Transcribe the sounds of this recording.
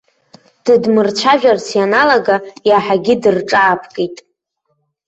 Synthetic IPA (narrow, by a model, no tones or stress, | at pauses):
d̥ɨdmɨrt͡ʃʷʰaʒᶣart͡sʰjanalaɡajaħaɡʲɪdɨrʈ͡ʂʼaːpʰkʼejtʼ